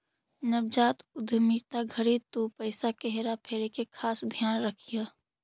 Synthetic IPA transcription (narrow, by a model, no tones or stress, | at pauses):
nəbd͡ʒaːt̪ʊd̪ʱmit̪aɡʱəɽit̪upəɪsakeɦeɾapʰeːɾekekʰaːsd̪ʱjaːnɾɐkʰijaː